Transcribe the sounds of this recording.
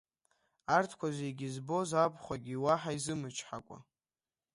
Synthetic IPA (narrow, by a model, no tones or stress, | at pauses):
artʰkʷazejɡʲizbo̞zabχʷaɡʲiwaħaizɨmɨt͡ʃʰʼħakʷʼa̰